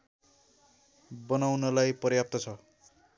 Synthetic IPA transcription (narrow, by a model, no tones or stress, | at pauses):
bʌnawnʌlajpʌrjap̚t̪ʌt͡sʰʌ